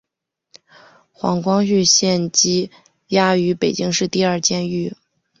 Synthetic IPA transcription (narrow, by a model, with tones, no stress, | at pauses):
xwɑ̰˧˥ŋkwɑ˥ŋy˥˧ɕjɛ˥˩nt͡ɕi˥ | ja˥y˧˥pe˨˩ɪt͡ɕi˥ŋʂɻ̩˥˧t̪i˥˧ɐ˞˥˧t͡ɕjɛ˥ny˥˩